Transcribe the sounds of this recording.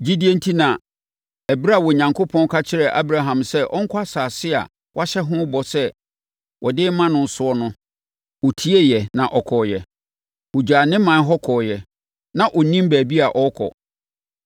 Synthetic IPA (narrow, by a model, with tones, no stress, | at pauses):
d͡ʑi˦di˦e˦n̩˦tʰi˦nã˨ | ɛ˨bɾa˦˨wɔ˨ɲã˨ŋkʰo˦pʰɔ̃˦n˦kʰa˦t͡ɕʰɪ˦ɾɛ˨ʔa̰˦bɾa˦ɦã˨msɛ˦ʔɔ˦ŋ̩˦kʰʷa˦saː˨sɪ˦a̰˨ | wʔa˦ɕɛ˦ɦʊ̃˦bɔ˨sɛ˦ | wʔɔ˨dɪ˦mã˦nʊ̃˨n̩˨sʊ˦ɔ˦nʊ̃˦ | ɔ˨tʰi˦e˦jɛ˨nã˨ʔɔ˨kʰɔ˨jɛ˨ | o˨d͡ʑᶣaː˨nɪ̃˦mã˨˦n˦ɦɔ˦kʰɔ˨jɛ˨ | nã˦ʔɔ˨nĩ˦m˦bæː˨bi˦a˨ʔɔ˦kʰɔ̰˨